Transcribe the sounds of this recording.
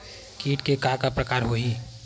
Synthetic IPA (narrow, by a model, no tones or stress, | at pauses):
kiːʈkekakapɾəkaːɾɦoi